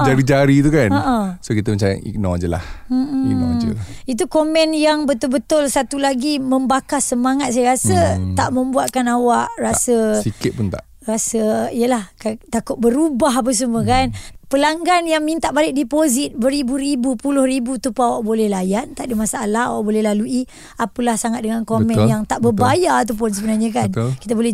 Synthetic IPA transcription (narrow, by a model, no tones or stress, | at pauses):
d͡ʒaɾid͡ʒaɾit̪̬ukanəʔəsokit̪əmət͡ʃaja̰ʔḭk̚nõ̰ad͡ʒəla̰hm̩m̩id͡ʒə̰ | it̪ukomɛnjaŋbət̪ʊlbət̪ʊlsat̪ulaɡiməmbakasəmaŋat̪̚s̬ajəɾasət̪aʔmə̃mbuat̪̚kanawaʔrasəsikɪt̪̚pʊnt̪a̰ | rasəijəlahkat̪akʊt̪̚bəɾubaɦap̬əs̬uməkanpəlaŋɡanjaŋmint̪aʔbalɪk̚dipozit̪̚bəɾibuɾibupulʊhɾibut̪upəawaʔbolɛhlajant̪aʔdimasaʔalaha̰waʔbolɛhlalui | apəlahsaŋat̪̚dəŋankomɛ̃njaŋt̪aʔbəbajaat̪̬ap̬ʊns̬əbənaɲakankit̪abolɛ